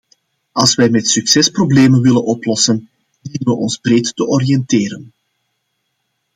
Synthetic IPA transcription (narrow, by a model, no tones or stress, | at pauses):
ʔɑlˠsʋɛjmɛtsyksɛsprobleːmənʋɪlənɔplɔsən | diːnəʋəʔɔnzbɾeːttəʔɔɾijɛnteːɾən